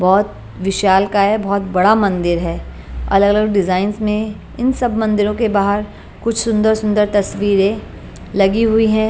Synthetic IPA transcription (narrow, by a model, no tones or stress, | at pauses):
bɔːt̪̚ | ʋɪʃaːlkaɦɛbɔːt̪̚bɐɽamɐ̃nd̪ɪɾɦɛː | ɐ̰ləɡələɡɖɪzaːɪnzmẽ | ɪnsɐbmɐ̃nd̪ɪɾõkebaːɦəɾ | kʊt͡ʃʰsʊ̃nd̪əɾsʊ̃nd̪əɾt̪ɐsʋiːɾẽ | lɐɡiɦʊiɦɛ̃ː